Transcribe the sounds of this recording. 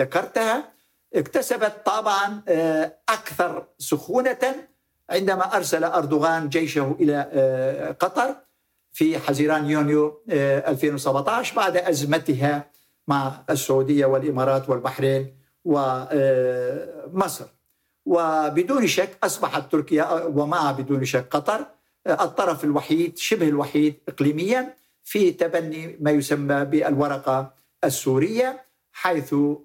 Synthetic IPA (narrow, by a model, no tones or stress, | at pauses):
akɑɾˤt̪ha | ʔɪkt̪asabat̪ːˤɑbʕɑn | ʔakθɑɾˤsʊxuːna | ʕɪnd̪amaʔɑɾˤsalaʔʊɾˤd̪ʊɣaːnd͡ʒajʃahʔɪla | qɑt̪ˤɑɾˤ | fiħaziːɾaːnjuːnjoʔalfeːnwsabʕt̪ˤɑːʃbaʕd̪ʔazmat̪ɪɦa | maʕɪsːʊʕuːd̪ɪjːawɪlʔɪmɑːɾˤɑːt̪wɪlbaħɾiːn | wɪ | mɑsˤɾ | wɪbɪd̪uːnʃakːʔɑsˤbɑħat̪ːʊɾkɪjawamaʕbɪd̪uːnʃakːqɑt̪ˤɑɾˤ | ʔɨt̪ˤːɑɾˤɑfɪlwaħiːd̪ʃɪbhɪlwaħiːd̪ʔɪqliːmɪjːa | fit̪abanːimaːjʊsamːabɪalwɑɾˤɑqɑ | ʔasːuːɾɪjːa | ħajθ